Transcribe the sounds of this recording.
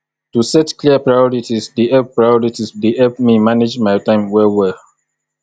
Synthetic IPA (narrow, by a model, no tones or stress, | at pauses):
tusɛtkliəpɹajɔɹitisdehɛp̚pɹajɔɹitisdehɛlpmimaned͡ʒmajtãɪ̃mwɛwɛ